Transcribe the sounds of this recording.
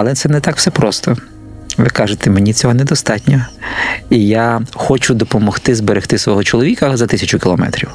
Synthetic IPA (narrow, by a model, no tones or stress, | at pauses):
ɐlˠɛt̪sɛnɛt̪ɑkwsɛpɾɔst̪ɔ | ʋɪkɑʒet̪ɛmenʲit͡sʲɔɦɔned̪ɔst̪ɑtʲnʲɔ | ijaxɔt͡ʃʊd̪ɔpɔmɔxt̪ɪzbeɾext̪ɪsʋɔɦɔt͡ʃɔlˠɔʋʲikɐzɐt̪ɪsʲɐt͡ʃʊkʲɪlˠɔmɛ̰t̪ɾʲiw